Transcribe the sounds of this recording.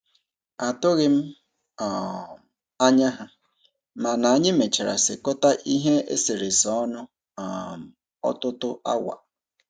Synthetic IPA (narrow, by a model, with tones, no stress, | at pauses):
a˨tʊ˦ɣɪ˦m̩˦˨ | a˦ɲa˦ɦa˦ | ma˨na˨a˦ɲɪ˦me˨t͡ʃa˨ɾa̰˨sɪ̰˨kɔ˦ta˦ʔi˦ɦe˦ḛ˦se˨ɾe˨sɔ˦nʊ˦˨ | m̩˨ | ɔ̰˦tʊ˦tʊ˦ʔa̰˦wa̰˨